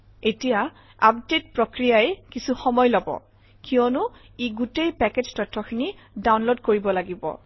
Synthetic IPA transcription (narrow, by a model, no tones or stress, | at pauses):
etija | apdet̚pɹokɹijaɛkisuxɔmɔjlɔbɔ̰ | kiɔnʊ | iɡutejpɛked͡ʒtɔtʰːɔxʰini | dawnlodkoɹibɔlaɡibɔ̰